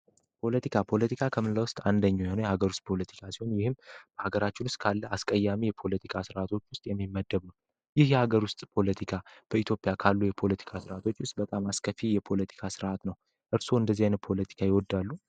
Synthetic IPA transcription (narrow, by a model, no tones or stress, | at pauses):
pʰo̞lət̪ʰikʰapʰo̞lət̪ʰikʰakʰəmɨnlawʊst̪ʼand̪əɲːawjhonojɛhaɡəɾust̪̚ʼpʰo̞lət̪ʰi̥kʰasiho̞njɪhɨmb̥əhaɡəɾat͡ʃːɪnwʊst̪ʼkʰalːəaskʼəjːamijɛpʰo̞lət̪ʰikʰasɨɾat̪ʰo̞t͡ʃːwʊst̪ʼjɛmːimːəd̪ːəβnə | jɪhjɛhaɡəɾwʊst̪ʼpʰo̞lət̪ʰikʰab̥əit̪jo̞pʼjakʰalːujɛpʰo̞lət̪ʰi̥kʰasɨɾat̪ʰo̞t͡ʃːwʊst̪ʼbət̪ʼamaskʰəfijɛpʰo̞lət̪ʰi̥kʰasɨɾʔat̪nəw | ʔɨɾso̞ɨnd̪əzianpʰo̞lət̪ʰi̥kʰajɛwɔd̪ːalːu